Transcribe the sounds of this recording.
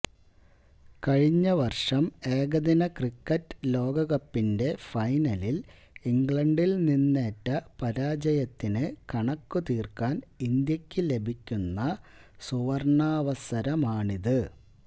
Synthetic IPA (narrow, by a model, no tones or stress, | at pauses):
kɐɻiɲːɐʋɐrʂɐme̞ːɡɐd̪inɐkrikːɐtːlo̞ːɡɐɣɐpːinde̞fɐjnɐlil | iŋɡɭɐɳɖilninːe̞ːtːɐpɐɾaːd͡ʑɐjɐt̪ːinɨkɐɳɐkːut̪iːrkaːnind̪jɐkʲːɨle̞bʱikʲːunːɐsuʋɐrɳaːʋɐsɐɾɐmaːɳiðɨ